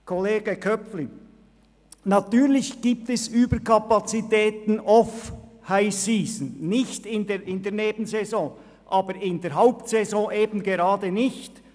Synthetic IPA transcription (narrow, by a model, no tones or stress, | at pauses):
kʰɔleːɡ̥əkʰœpfli | natyːʁlɪçɡ̥iːp̚tɛsyːbəkʰapat͡sitɛːtn̩ɔfhaɪsiːzən̩nɪçtɪndeɾɪndeːɐneːbən̩zɛzɔ̃ː | ʔaːbəɾɪnd̪eːɐɾɦaʊptsɛzɔ̃ːʔeːbn̩ɡeɾɑːdənɪçt